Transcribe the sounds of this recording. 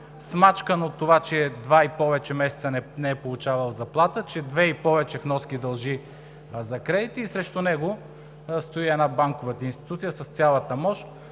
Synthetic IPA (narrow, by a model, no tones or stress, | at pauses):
smat͡ʃkənot̪ːovat͡ʃɛd̪vaipɔvɛt͡ʃɛmɛsɛ̥t̪sənɛnɛɛpolˠʊt͡ʃavɐlˠzɐplˠat̪ət͡ʃɛd̪vɛipɔvɛt͡ʃɛfnɔskʲid̪ɐlˠʒi | zɐkɾɛd̪it̪iːsɾɛʃt̪ʊnɛɡo | st̪oiɛnabaŋkovət̪əinst̪i̥t̪ut̪sijəsɐst̪sʲjalˠət̪əmɔʃ